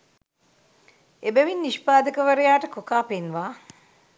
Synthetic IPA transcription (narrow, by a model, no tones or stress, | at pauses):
ebeʋinːiʃpaːd̪əkəʋɐɾejaːʈəkokaːpenʋaː